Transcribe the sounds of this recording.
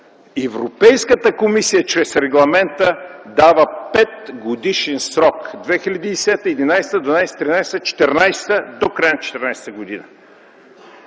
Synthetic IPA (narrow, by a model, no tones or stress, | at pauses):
ɛvɾopɛjskət̪əkomisijət͡ʃɾɛsɾɛɡlˠɐmɛnt̪əd̪avəpɛt̪ɡod̪iʃɛnsɾɔkd̪vɛxilʲɐd̪id̪ɛsɛt̪əiɛd̪inajst̪əd̪vɐnajst̪ɾinajst̪ət͡ʃɛ̥t̪ɛɾnajst̪əd̪okɾajnt͡ʃɛ̥t̪ɛɾnajst̪əɡod̪inə̰